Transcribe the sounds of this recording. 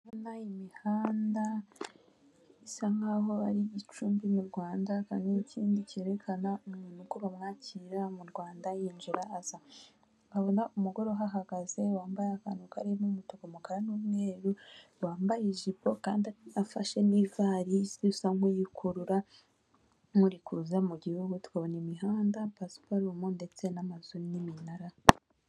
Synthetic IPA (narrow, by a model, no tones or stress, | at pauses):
aβonaimihaːnda | isaŋaɦo̞aɾijit͡ʃuːmbimuɾɡwaːndaka̰niniciːndiceːɾe̞kʰanaumunukoβamŋaːcʰiɾamuɾɡwaːndajiːnʒiɾaːz̥a | aβo̞naʔumuɡo̞ɾoɦaɦaɡ̥aze̞waːmbajeaka̰nuka̰ɾimumutokomukaɾanuːmŋe̞ːɾu | waːmbajiʒibo̞kaːndiaafa̰ʃe̞nivaːɾizisaŋujikʰuɾuɾa | muɾikuzamuɟihuɡutwaːβo̞nimiɦaːndapaspaɾumonde̞t͡se̞namazuɾiniminaɾa